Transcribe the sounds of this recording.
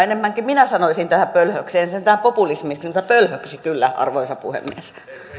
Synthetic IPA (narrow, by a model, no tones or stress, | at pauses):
enemːæŋkiminæsɑnoisint̪æhæmpølhøkseːnsent̪æhæmpopulismiksnt̪ɑpølhøksikylːæɑ̰rʋoisɑpuhḛmːḭes